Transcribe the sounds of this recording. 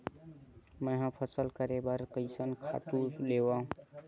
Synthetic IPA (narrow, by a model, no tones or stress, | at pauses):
məɦãpʰəsəlkəɾebəɾkəjsənkʰa̰t̪uslewaɦũ